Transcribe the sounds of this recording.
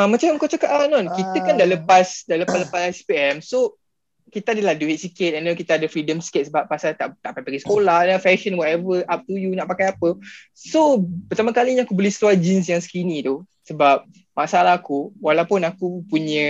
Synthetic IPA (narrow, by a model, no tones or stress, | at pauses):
amat͡ʃamkawt͡ʃakaʔanɔnkit̪əkandaʔləpasdaləpaləpasɛspiɛmso | kit̪əadəladuiʔ̚sikɪt̪̚ɛndakit̪əadəfɾidəmsi̥kɪt̪̚səbap̚ːasat̪aʔt̪aʔpapaɡisə̥kolanafɛʃə̃nwɔt̪ɛvəʔap̚t̪ujunaʔpakajapə | sopərt̪aməkaliɲaakubolɛhsətuad͡ʒins̬jaŋsə̥kinit̪u | səbap̚ | masaalahkuwalawpʊnakupuɲə̃